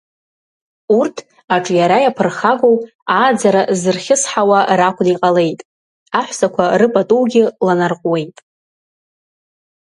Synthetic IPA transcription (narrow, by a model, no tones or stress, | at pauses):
urtʰ | aʈ͡ʂʼjaɾajapʰɨrχaɡow | aːd͡zaɾazɨrχʲɪsħawarakʷʰʼniqʼale̞jtʼ | aħʷsakʷʰarɨpʼatʼuwɡʲɪlanarqʼwe̞jtʼ